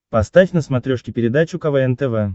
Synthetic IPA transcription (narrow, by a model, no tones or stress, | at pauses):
pɐst̪afʲnəsmɐt̪ɾʲoʂkʲɪpʲɪɾʲɪd̪at͡ɕʊkɐvɛɛnt̪ɛvɛ